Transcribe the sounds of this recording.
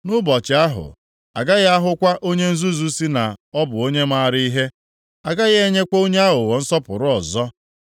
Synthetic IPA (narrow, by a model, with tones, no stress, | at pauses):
nʊ˦bɔ˨t͡ʃɪ˨a˦ɦʊ̰˨ | a̰˨ɡa˦ɣa˦ɦʊ˦kʷa˦ʔo˦ɲe˦n̩˦zu˦zu˦si˦na˨ɔ˦bʊ˨o˦ɲe˦ma˦˨ɾi˦i˦ɦe˦ | a˨ɡa˦ɣe˦ɲe˦kʷo˦ɲe˦a˦ɦʊ˨wɔ˨n̩˦sɔ˦pʊ̰˨ɾʊ˦ɔ˨zɔ˦